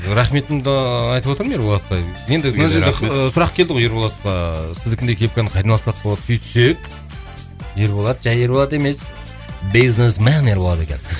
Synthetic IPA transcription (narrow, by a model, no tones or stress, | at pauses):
ɾæχme̞t̪ɪmd̪ɑɑjt̪əpwot̪əɾmjeɾbolˠɑt̪pɑjje̞nd̪ɪnæʒeesʊɾɑq̚kʲʰe̞ld̪ɪʁwojeɾbolˠɑt̪qɑsɪzd̪ɪkʲɪnekʲʰe̞p̚kʲenqʰɑjd̪ɑnɑlˠsɑq̚bolˠɑd̪sʰyjt̪ʰʏ̥sek | je̞ɾbo̞lˠɑd̪əʒæjeɾbo̞lˠɑt̪e̞me̞s | biznesmæneɾbolˠɑd̪e̞kʲen